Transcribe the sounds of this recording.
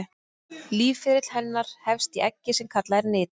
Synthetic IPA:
liːvfɪːɾɪt̪l̥hɛnːaɾ̥hɛfst̪iʔɛcːɪsɛmkʰat̪laɛɾnɪːt̪

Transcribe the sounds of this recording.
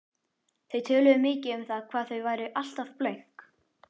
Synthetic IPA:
θeɥt̪ʰœːlʏðʏmɪːcɪʏmθaðkʰv̥aːðθœɥvaːjɾɪʔal̥t̪afplœɥŋ̥k

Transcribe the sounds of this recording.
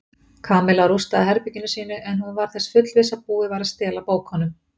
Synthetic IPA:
kʰaːmɛlawɾust̪aðɦɛɾpicɪnʏsiːnʏʔɛnhunvaɾ̥θɛsfʏt̪lvɪsapuːɪvaːjɾast̪ɛːlapoːwkhɔnʏm

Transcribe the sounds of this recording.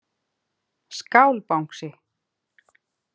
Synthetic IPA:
skaːwlpawŋ̥ksɪ

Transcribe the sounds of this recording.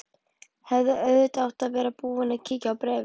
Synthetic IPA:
hɛvðɪʔœɥðɪt̪awht̪aðvɛːɾapuːɪnaðcʰiːcaːwpɾɛːvɪ

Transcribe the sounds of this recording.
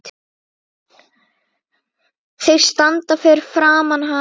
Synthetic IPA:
θeɣst̪ant̪afɛːɾɪɾ̥fɾaːmanɦa

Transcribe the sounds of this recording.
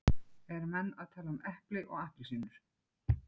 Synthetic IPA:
ɛɾmɛnːaðt̪ʰaːlaʏmʔɛhplɪʔɔɣaht̪lsiːnʏɾ̥

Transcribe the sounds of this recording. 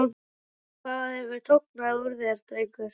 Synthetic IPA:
kʰaːðaðɛvʏɾ̥t̪ʰoknauɾðɪɛɾ̥t̪ɾejkʏɾ̥

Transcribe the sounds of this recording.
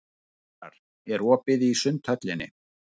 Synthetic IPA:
a̰ɾ̥ | ɛɾɔːpɪðiisʏnt̪ʰhœt̪lɪnːɪ̰

